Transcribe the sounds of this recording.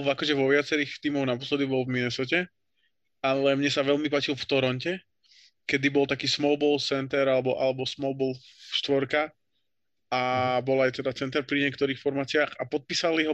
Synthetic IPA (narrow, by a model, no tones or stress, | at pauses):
akɔʒɛʋɔʋɪat͡sɛɾiːxt̪iːmɔʊnapɔslɛd̪ibɔlvminɛsɔcɛ | alɛmɲɛsaʋɛʎmipaːt͡ʃilft̪ɔɾɔncɛ | kɛd̪ibɔlˠt̪akiːsmɔʊbɔlsɛnt̪ɛɾalɛbɔʔa̰lɛbɔsmɔʊbɔlfʃt̪ʋɔɾka | abɔlajt̪ɛd̪at͡sɛnt̪ɛɾpɾiɲɪɛkt̪ɔɾiːxfɔɾmaːt͡sɪaːxapɔt̪̚piːsaliɦɔ